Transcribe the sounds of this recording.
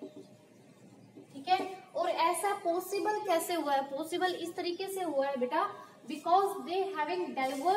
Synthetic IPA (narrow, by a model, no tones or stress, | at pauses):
ʈʰiːkɛːɔːɾɛːsapɔːsɪbəlkɛːseɦʊaɛpɔːsɪbəlɪst̪əɾiːkeseɦoaɦɛbeːʈabɪkɔːzd̪eːɦæːʋɪ̃ŋɖɛlʋə